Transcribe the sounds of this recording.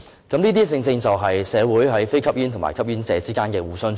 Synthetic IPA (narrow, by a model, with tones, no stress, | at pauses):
kɐ˨˥mniː˥t̪̬iː˥t͡sɪ˧ŋt͡sɪ˧ŋt͡sɐ˨wɦɐ˨jsɛː˨˧wuː˨˥jɦɐ˨˥jfe˥jkʰɐ˥p̚jyː˥nt̪ʰʊ˨˩ŋma̰˨˩kʰp̚jyː˥nt͡sɛː˨˧t͡siː˥kaː˥nkɛː˧wuː˨˥sœː˥ŋ